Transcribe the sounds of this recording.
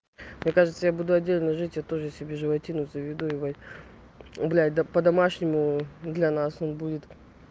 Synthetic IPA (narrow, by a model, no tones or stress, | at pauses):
mnʲe̞kaʐɨt̪səjabud̪ʊɐdʲːelʲnəʐɨtʲjat̪o̞ʐɨsʲɪbʲeʐɨvɐtʲinʊt̪səvʲɪd̪uiva | ʊblʲad̪ɐpəd̪ɐmaʂnʲɪmʊd̪lʲɐnaso̞nbudʲɪt̪